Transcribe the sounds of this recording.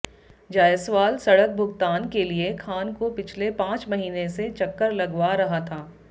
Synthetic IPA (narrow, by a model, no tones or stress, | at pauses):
d͡ʒaːjəswaːlsɐɽək̚bʱʊɡt̪aːnkeliekʰaːnkopɪt͡ʃʰlepãːt͡ʃmɐɦiːneset͡ʃɐkːəɾlɐɡwaɾɐɦat̪ʰaː